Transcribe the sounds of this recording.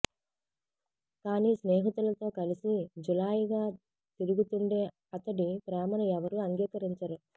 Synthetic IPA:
kaːniːsnɛːɦɐt̪ulɐt̪o̞ːkɐlisid͡ʒulaːjiɡaː | t̪iɾuɡut̪uɳɖe̞ː | ɐt̪ɐɽipɾɛːmɐnɐɛʋɐɾuɐŋɡiːkɐɾiɲt͡ʃɐɾu

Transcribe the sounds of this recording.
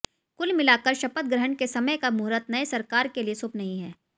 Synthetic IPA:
kʊlmɪlaːkəɾʃɐpət̪̚ɡɾəɦəɳkesɐməjkamʊɦɾət̪nɐesɐɾkaːɾkeliesʊpnɐɦĩɦɛː

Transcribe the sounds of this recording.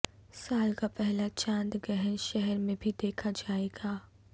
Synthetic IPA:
saːlkapɛɦlat͡ʃãːnd̪ɡɛɦənʃɛɦɛɾmẽbʱid̪eːkʰad͡ʒaːeːɡaː

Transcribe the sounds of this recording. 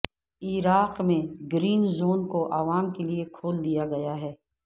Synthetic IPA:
iɾaːqmẽɡɾiːnzoːnkoʔaːʋaːmkeliekʰoːld̪ijaɡɐjaɦɛː

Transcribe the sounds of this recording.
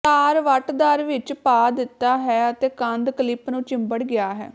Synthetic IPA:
t̪aːɾʋəʈd̪aːɾʋɪt͡ʃpaːd̪ɪt̪ːaːɦɛːət̪eːkə̃nd̪kəlɪpnũːt͡ʃɪ̃mbəɽɡɪaːɦɛ̰ː

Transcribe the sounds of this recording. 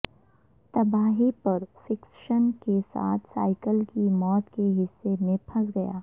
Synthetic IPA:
t̪ɐbaːɦipɐɾfɪkʃənkesa̰ːt̪ʰsa̰ːɪkəlkimɔːt̪keɦɪsːemẽpʰɐsɡɐja̰ː

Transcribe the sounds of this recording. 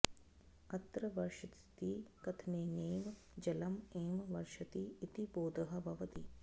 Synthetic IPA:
ɐt̪ɾɐʋɐɾʃɐt̪t̪ikɐt̪ʰneːneːʋ | d͡ʒɐlɐmeːmʋɐɾʃɐt̪iːt̪iboːd̪ɐɦɐ̆bʱɐʋɐt̪i

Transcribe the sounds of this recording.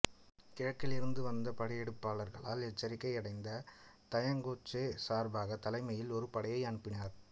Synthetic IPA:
kɪɻɐʈkːɪlɪɾɯnd̪ɯʋɐnd̪ɐpɐɽɐjɛɽɯpːaːlɐɾɣɐɭaːlɛt͡ʃːɐɾɪkːɐɪɐɽɐɪnd̪ɐt̪ɐjɐŋɡoːt͡ʃːeːsaːɾbaːɣɐt̪ːɐlɐɪmɐjɪlɔɾɯpɐɽɐjɐɪɐɳɯpːɪnaːɾ

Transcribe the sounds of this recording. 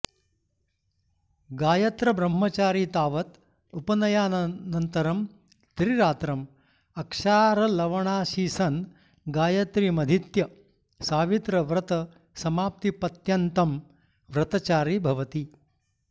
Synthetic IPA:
ɡaːjɐt̪ɾɐbɾɐmːɐt͡ʃaːɾiːt̪aːʋɐt̪ | upɐnɐjaːnnɐnt̪ɐɾɐm | t̪ɾiɾaːt̪ɾɐm | ɐkʂaːɾɐlɐʋɐɳaːʃiːsɐn | ɡaːjɐt̪ɾimɐd̪ʱit̪jɐ | saːʋit̪ɾɐʋɾɐt̪ɐ | sɐmaːp̚t̪ipɐt̪jɐnt̪ɐm | ʋɾɐt̪ɐt͡ʃaːɾibʱɐʋɐt̪i

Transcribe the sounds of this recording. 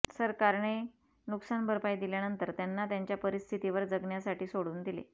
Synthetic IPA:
səɾkaɾɳe | nuksanbʱəɾpajd̪iljanənt̪əɾt̪janːat̪jaɲt͡ɕjapəɾist̪ʰit̪iʋəɾd͡zəɡɳjasaʈʰiːsoɽuːnd̪ilḛ

